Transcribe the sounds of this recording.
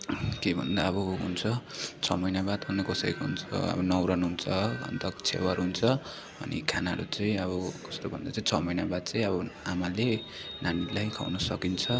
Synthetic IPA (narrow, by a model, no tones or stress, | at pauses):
kebʱʌ̰nd̪aʌbʌɦunt͡sʰʌt͡sʰʌmʌjnabat̪bʱʌnnekʌsʌjkoɦunt͡sʰʌ̰ʌ̰bʌnʌwɾʌnɦunt͡sʰʌʌ̰nt̪ʌkt͡sʰḛwʌɾɦunt͡sʰʌ | ʌ̰nḭkʰanaɦʌ̰ɾut͡saĩʌβʌkʌst̪obʱʌnd̪at͡saĩt͡sʰʌmʌjnabad̪̚t͡saĩʌbʌamale | nanilajkʰa̰wnʌsʌkint͡sʰʌ